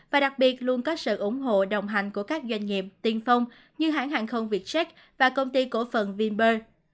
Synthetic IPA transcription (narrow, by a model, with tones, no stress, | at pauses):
vaː˨˩ɗa˨˩k̚ɓi˨˩ət̚lu˧ənkɔ˨˦sɨ̰˧˨ʔʊ˧˩˦ŋ͡mɦo̰˧˨ɗə˨˩wŋ͡mɦa˨˩jŋ̟ku˧˩əkaː˦˥k̚zwa˧jŋ̟ŋi˨˩əp̚t̪i˨˧˩nfə˧wŋ͡m | ɲɨ˧ɦa̰ː˧˥nɦaː˨˩ŋxə˧wŋ͡mvi˨˩ət̚sɛ˦˥k̚ | vaː˨˩kə˧wŋ͡mt̪i˧ko˧˩fə˨˩nvi˧nɓəː˧